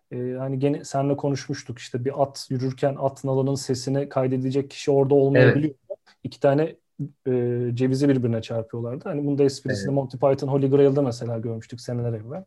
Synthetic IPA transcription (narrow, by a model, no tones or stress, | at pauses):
ɛːhaniɟenisænlʲɛkʰo̞nuʃmuʃt̪ʰuki̥ʃt̪ʰɛbiʔat̪ʰjyɾyɾcʰænat̪nalˠanɯnse̞sinikʰajd̪e̞d̪ied͡ʒɛc̚ʰːi̥ʃio̞ɾd̪ao̞lˠmajabilʲijo̞u | icʰi̥t̪ʰaːnɛː | d͡ʒe̞vizibiɾbiɾinɛt͡ʃʰaɾpʰɯjo̞lˠaɾd̪ɯhanibund̪aɛspʰiɾisind̪ɛmonʲt̪ʰipajt̪ʰɯnɦo̞lʲiɡɾajɯlˠd̪ɯmɛs̬e̞lʲaːɟø̞ɾmyʃt̪ʰyksenelʲɛɾɛvːælʲ